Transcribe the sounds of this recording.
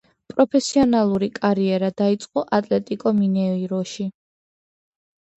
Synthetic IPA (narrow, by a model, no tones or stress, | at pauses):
pʼɾɔpʰɛsiɔnalˠuɾikʼaɾiɛɾad̪ait̪sʼqʼɔʔat̪ʼlɛt̪ʼikʼɔminɛiɾɔʃi